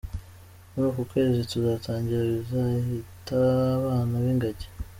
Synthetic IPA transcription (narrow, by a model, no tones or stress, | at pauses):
unukukwe̞ːzituzataːɲɟiɾaβizahitaβaːnaβiŋɡaɟe̥